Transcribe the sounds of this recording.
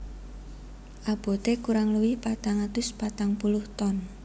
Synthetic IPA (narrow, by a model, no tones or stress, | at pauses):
ʔab̥ɔ̤t̪ekuɾaŋluwihpat̪aŋat̪ʊspat̪aŋpulʊht̪ɔn